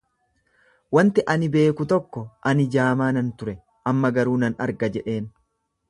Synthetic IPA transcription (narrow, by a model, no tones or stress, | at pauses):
wɐnt̪ɪʔɐnɪbe̞ːkʊt̪ɔkːɔʔɐnɪd͡ʒaːmaːnɐnt̪ʊɾɛ | ʔɐmːɐɡɐɾuːnɐnɐ̰ɾɡɐd͡ʒɛᶑe̞ːn